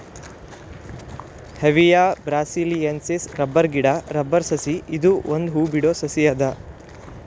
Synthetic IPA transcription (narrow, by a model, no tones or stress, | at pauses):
heʋijaːbɾaːsiːliensesɾɐbːɐɾɡiɽaɾɐbːɐɾsɐsiid̪uond̪ɦuːbiɽoːsɐsijaːd̪ɐ